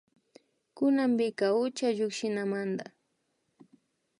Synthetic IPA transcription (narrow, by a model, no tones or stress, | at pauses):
kʊnambɪkaʊt͡ʃaʎʊkʃɪnamand̪a